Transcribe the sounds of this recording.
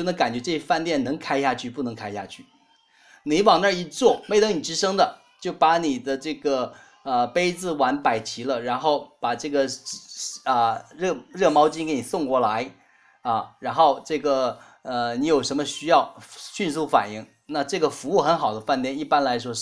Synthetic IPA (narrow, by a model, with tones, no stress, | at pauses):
jo˥˩n˧˥ŋka˨˩nt͡ɕɥɛ˧˥ʈ͡ʂɤ˥˩ɕɛ˥fa˥˧nt̪jɛ˥˩nnɤ˧˥ŋkʰa˥ɪɕja˥˧t͡ɕʰy˥˧pu˥˩nɤ˧˥ŋkʰa˥ɪɕja̰˥˧t͡ɕʰy˥˩ | ni˧˥wɑ˨˩ŋnə˥˧˩i˧˥t͡swɔ˥˩me˥ɪt̪ɤ˧˥ŋni˨˩ʈ͡ʂɻ̩˧˥ʂɤ˥ŋd̪ə˨ | t͡ɕjo˥˩ʊpa˧˥ni˨˩d̪ə˦ʈ͡ʂɤ˥˩ɡə˩ | ə˧pe˥ɪt͡sɹ̩˧˩wa˧˥npa˨˩ɪt͡ɕʰi˧˥lə˧ɻa˧˥nxo˥˩ʊpa˨˩ʈ͡ʂɤ˥˩ɡə˩ | ə˧˩ɻɤ˥˩ɻɤ˥˩mɑ˥ʊt͡ɕi˥ŋke˧˥ɪni˨˩sʊ˥˧ŋkwɔ˥˩la˧˥ɪ | ɐ˧˩ɻa˧˥nxo˥˧ʊʈ͡ʂɤ˥˩ɡə˩ | ə˧ni˧˥jo˨˩ʊʂə˧˥nmə˧ɕy˥jɑ˥˩ʊɕy˥˧nsu˥˩fa̰˨˩ni˥˩ŋ | na˥˧ʈ͡ʂɤ˥˩ɡə˩fu˧˥u˥˩xə˧˥nxɑ˨˩ʊd̪ə˦fa˥˧nt̪jɛ˥˧ni˥˩pa˥nla˧˥ɪʂwɔ˥